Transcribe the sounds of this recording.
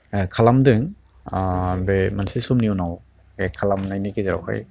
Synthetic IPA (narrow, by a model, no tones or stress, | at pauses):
kʰalamdɯŋ | bemansisumniunaw | ekʰalamnajnikezaɾa̰wha̰j